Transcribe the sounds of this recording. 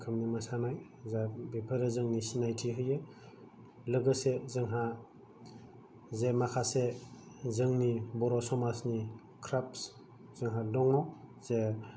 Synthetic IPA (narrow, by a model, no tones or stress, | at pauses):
kʰamnimasanaj | zabipʰəɾazɯŋnisinajtʰiɦɯjɯ | lɯɡɯsezɯŋɦa | zemakʰase | zɯŋnibɔɾɔsɔmasni | kʰɾaps | z̥ɯŋɦadɔŋɔz̥e